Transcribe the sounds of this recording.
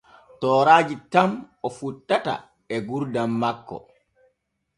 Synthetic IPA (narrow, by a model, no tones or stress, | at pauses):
tɔːɾaːd͡ʒitamɔfutːata̰ | ɛɡuɾdamːakːɔ̰